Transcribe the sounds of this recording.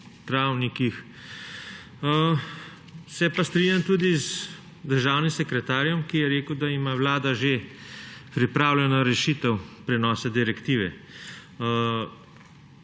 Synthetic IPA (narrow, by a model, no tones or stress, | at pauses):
t̪ɾawnikix | sɛpast̪ɾiɲjamt̪uːd̪iz | d̪əɾʒaːwnimsɛkɾɛt̪aːɾjɔmkijɛɾeːkəwd̪aimawlaːd̪aʒe | pɾipɾaːwlʲɛnɔɾɛʃiːt̪ɛwpɾɛnɔːsad̪iɾɛkt̪iːʋɛ̰